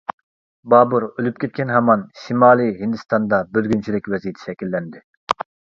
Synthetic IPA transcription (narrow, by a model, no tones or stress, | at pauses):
bɑːbuɾølyp̚kʲʰet̪̚kʲɛnɦɑmɑnʃimɑːlˠiɦind̪ɨst̪ɑnd̪ɑbølɡʲynt͡ʃʰilɪkʲwɛzijet̪ʰɛ̥ʃɛkʲilːɛnd̪ɪ